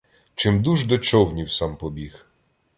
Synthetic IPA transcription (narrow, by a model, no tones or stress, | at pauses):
t͡ʃɪmd̪uʐd̪ɔt͡ʃɔwɲʲiwsampɔbʲix